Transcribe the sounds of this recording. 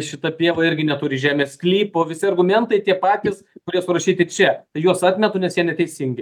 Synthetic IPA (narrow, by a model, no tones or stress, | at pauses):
ʃʲɪt̪ɐpʲiɛʋɐɪɾʲɡʲɪnʲɛt̪ʊɾʲɪʒʲæːmʲeːsklʲiːpoːʋʲɪsʲɪɐrɡʊmʲɛnt̪ɐɪt̪ʲiɛpɑːt̪ʲɪskʊɾʲiɛsʊɾɐʃʲiːt̪ʲɪkt͡ʃʲɛt̪ɐɪjuɔsɑːt̪ʲmʲɛt̪ʊːnʲɛsjiɛnʲɛt̪ʲɛɪsʲɪŋʲɡʲɪ